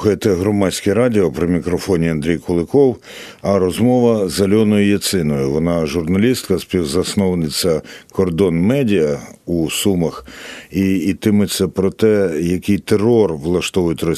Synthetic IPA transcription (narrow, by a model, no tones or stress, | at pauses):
xɐjet̪ɛɦɾɔmɑsʲkɪɾɑdʲiɔpɾɪmʲikɾɔfɔnʲiɐnd̪ɾʲijkʊlˠɪkɔw | ɐɾɔzmɔʋɐzɐlʲɔnɔjʊjɐsɪnɔjʊʋɔnɑʒʊrnɐlʲist̪kɐspʲiwzɐsnɔʋɐnɪt͡sʲːɐkɔrd̪ɔnmɛdʲiɐusumɐxiːt̪ɪmʊt͡sʲːɐpɾɔt̪ɛjɐkɪjt̪erɔrʋlˠɐʃt̪ɔʋʊjɪtʲrɔ